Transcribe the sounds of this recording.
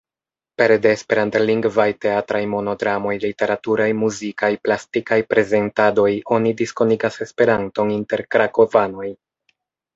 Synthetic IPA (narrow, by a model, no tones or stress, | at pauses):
pe̞ɾdeːspe̞ɾanteliŋɡvajte̞atɾajmo̞no̞ɡɾamo̞jlite̞ɾatuɾajmuzikajplastikajpɾe̞ze̞ntado̞jo̞nidisko̞niɡase̞spe̞ɾanto̞ninte̞ɾkɾako̞vano̞j